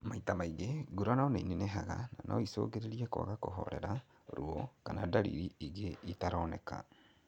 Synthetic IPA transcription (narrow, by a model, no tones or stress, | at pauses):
maitamaiɣeɡuɾanaɔnainenɛɦaɣananʔaiso̰ɣeɾeɾiɛko̰aɣakoɦɔɾɛɾa | oɾuɔkanadaɾḭɾiiɣeitaɾɔnɛka̰